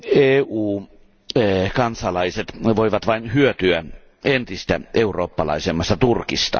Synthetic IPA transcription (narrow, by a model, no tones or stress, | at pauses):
eːuː | kɑnsɑlɑiset̪ʋoiʋɑt̪ʋɑinhyøt̪yæ | ent̪ist̪æ̰ʔeuroːpːɑlɑ̰isemːɑst̪ɑt̪urkist̪ɑ̰